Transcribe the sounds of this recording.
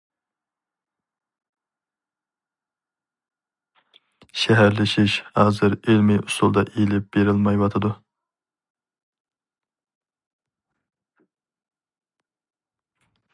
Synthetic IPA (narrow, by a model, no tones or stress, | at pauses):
ʃɛɦæɾlɪʃiʃhɑːzɨɾelmɪʔust̪ulˠd̪ɑʔejlɪp̚b̥eɾɪlmɑjwɑt̪ʰɨd̪u